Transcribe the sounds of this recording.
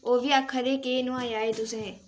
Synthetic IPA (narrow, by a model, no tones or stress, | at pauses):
oːʋiakʰːəɾekenʊãːjaːed̪ʊseɦɛ̃ː